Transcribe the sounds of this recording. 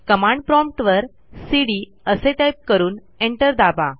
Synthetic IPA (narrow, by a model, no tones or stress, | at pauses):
kəmãɳɖpɾɔmp̚ʈʋəɾ | siɽi | əseʈajp̚kəɾuːn | eɳʈəɾd̪aba